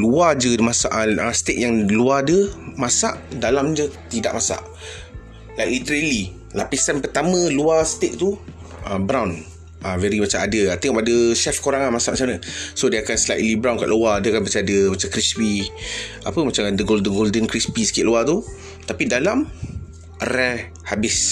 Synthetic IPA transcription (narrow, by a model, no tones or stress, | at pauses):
luad͡ʒəmasa̰ʔəst̪ek̚jaŋluadəmasaʔdalamd͡ʒət̪ida̰ʔmasa̰ʔ | lajʔlit̪əɾəli | lapisanpət̪amə̃luast̪eʔ̚t̪u | əbɾawn | ʔavɛɾimat͡ʃamadəat̪ɛŋɔpadəʃɛfkoɾaŋanmasaʔmat͡ʃamnəsodiakanslajʔ̪̚libɾãwnka̰ʔluadiakanpət͡ʃadəmat͡ʃamkɾispi | a̰pəmat͡ʃamadəɡoldəɡoldənkɾispisə̥kɪʔ̪̚luat̪u | t̪apidalam | rɛ | habɪs